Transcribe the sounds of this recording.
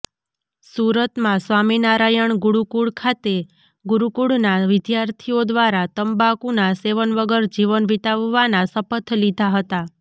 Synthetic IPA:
suɾət̪mãsʋaminaɾajəɳɡuɽukuɽkʰat̪e | ɡuɾukuɽnaʋɪd̪jaɾt̪ʰiod̪ʋaɾat̪əmbakunaseʋənʋəɡəɾd͡ʒiʋənʋit̪aʋːanasəpət̪ʰlid̪ʱaɦət̪a

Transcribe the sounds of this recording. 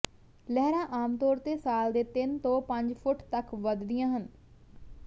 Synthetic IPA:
lɛɦɾãːʔaːmt̪ɔːɾt̪eːsaːld̪eːt̪ɪnt̪õːpəɲd͡ʒpʰʊʈt̪əkʋəd̪d̪ɪjãːɦən

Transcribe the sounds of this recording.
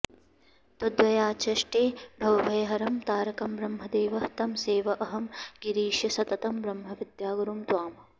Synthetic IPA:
t̪od̪ʋɐjaːt͡ʃɐʃʈeːbʱɐwbʱɐjɐɦɐɾɐmt̪aːɾɐkɐmbɾɐmɦɐd̪eːʋɐt̪ɐmseːʋɐʔɐɦɐmɡiɾiːʃjɐsɐt̪ɐt̪ɐmbɾɐmɦɐʋid̪jaːɡɐɾumt̪waːmɐ

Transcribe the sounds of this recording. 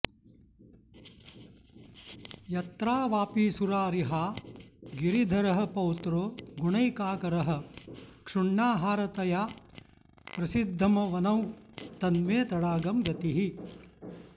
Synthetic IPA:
jɐt̪ɾaːʋaːpiːsuɾaːɾiɦaːɡiɾid̪ʱɐɾɐɦɐ̆pɐwt̪ɾoːɡuɳɐjkaːkɐɾɐɦɐ̆kʂuɳːaːɦaːɾɐt̪ɐjaː | pɾɐsid̪ʱːɐmɐʋɐnɐwt̪ɐnmeːt̪ɐɽaːɡɐmɡɐt̪iɦi

